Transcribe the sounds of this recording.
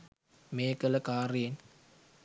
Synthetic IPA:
mekələkaːɾin

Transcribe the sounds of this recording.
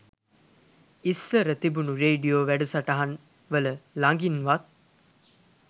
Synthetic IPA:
isləɾət̪ibunuɾeːɖijoːʋæɖusaʈɐɦɐn | ʋələlaŋɡinʋat̪̚

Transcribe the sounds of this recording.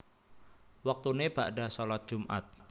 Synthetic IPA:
wak̚t̪uneb̥aʔɖasɔlat̪̚d̥ʒ̥umʔa̰t̪̚

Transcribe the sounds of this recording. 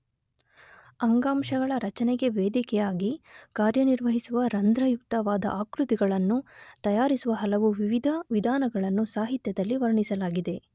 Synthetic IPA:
ɐŋɡaːmʂɐɡɐɭɐɾɐt͡ʃɐnɛɡe̞ʋeːd̪ikɛjaːɡikaːɾjɐniɾʋɐɦisuʋɐɾɐnd̪ɾɐjuk̚t̪ɐʋaːd̪ɐ̰ʔaːkɾut̪iɡɐɭɐnːut̪ɐjaːɾisuʋɐɦɐlɐʋuʋiʋid̪ʱɐʋid̪ʱaːnɐɡɐɭɐnːusaːɦit̪jɐd̪ɐlːiʋɐɾɐɳisɐlaːɡid̪e̞

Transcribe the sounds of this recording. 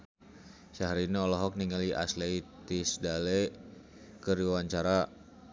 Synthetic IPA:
saɦaɾiniɔlɔɦɔk̚niŋaliʔa̰sleit̪isdale | kəɾiwaɲt͡ʃaɾa

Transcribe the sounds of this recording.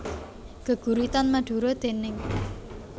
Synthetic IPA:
ɡ̥ə̤ɡ̥ṳɾit̪anmaɖ̪̥ṳɾɔd̪̥e̤nɪŋ

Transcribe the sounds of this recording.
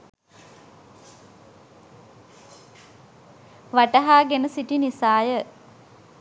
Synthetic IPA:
ʋaʈəɦaːɡenəsiʈinisaːjə

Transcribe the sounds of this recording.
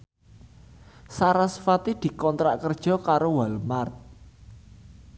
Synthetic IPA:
saɾasə̥fat̪id̪̥i̤kɔnt̪ɾaʔkərd̥ʒ̥ɔ̤kaɾowalmart̪̚

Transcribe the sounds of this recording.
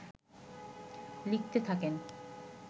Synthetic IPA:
lik̚t̪et̪ʰaken

